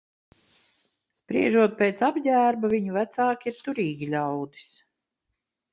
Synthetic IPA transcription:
spɾiɛʒuɔt̪̚peːt̪sabɟʲæːɾbaviɲuvæt̪saːkʲiiɾt̪uɾiːɡʲiʎʲawd̪i̥s

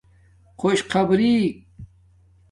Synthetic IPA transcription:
qʰoɕqʰɐbɾi

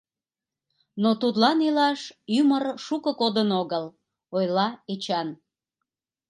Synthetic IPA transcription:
not̪ut̪lɑnilɑʃymərʃukəkod̪ənoɣəl | ojlɑet͡ɕɑn

